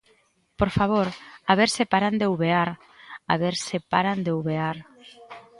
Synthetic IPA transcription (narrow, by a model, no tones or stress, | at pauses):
poɾfaβ̞oɾaβeɾsepaɾand̪ewβeaɾ | a̰βeɾsepaɾand̪ewβeaɾ